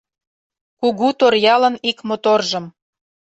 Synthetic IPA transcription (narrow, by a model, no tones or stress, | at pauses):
kuɣut̪orjɑlə̆nikmot̪orʒə̆m